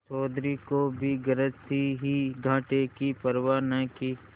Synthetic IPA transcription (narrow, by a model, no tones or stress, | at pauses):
t͡ʃɔːd̪ɾikobʱiɡəɾət̪iɦiɡʱãːʈekipəɾʋaːnəki